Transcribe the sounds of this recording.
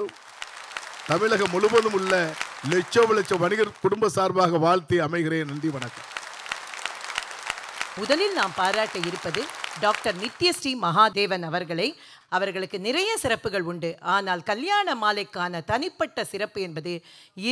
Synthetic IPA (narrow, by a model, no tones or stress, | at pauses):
t̪ɐmɪɭɐɣɐmɔlɯmbɐðɯmʊɭːɐlɛt͡ʃːoːʋɪlɐt͡ʃːɐʋɐnɪɣɐɾkʊɽʊmbɐsaːɾbaːɣɐʋaːɭt̪iɐmɐɪɣɪɾeːnɐɳɖiʋɐɳɐkːɐm | ʊðɐlɪlnaːmpaːɾaːʈːɐɪɾɯpːɐðɯɖaːk̚ʈɐɾnɪt̪ːɪjɐsʈimɐɦaːd̪eːʋɐnɐʋɐɾɣɐɭɐɪ | ɐʋɐɾɣɐɭɯkːɯnɪrɐjɐsɪɾɐpːɯɣɐɭʊɳɖɯʔaːnaːlkɐljaːɳɐmaːlɐɪkːaːnɐt̪ɐnɪpːɐʈːɐsɪɾɐpːɯɛnbɐðɯɪ